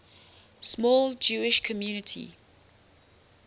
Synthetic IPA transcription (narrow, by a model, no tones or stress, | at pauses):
smɔːlˠd͡ʒuːɪʃkʰəmjuːnɪtʰḭ